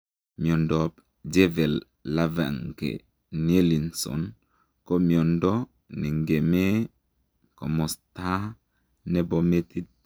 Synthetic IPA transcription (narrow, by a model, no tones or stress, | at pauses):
miondɔp | d͡ʒevelː | ava̰ŋɡḛ | nielinsɔ̰n | komiɔndɔ | nɛŋɡeme | ko̰mɔsta | nebometit̚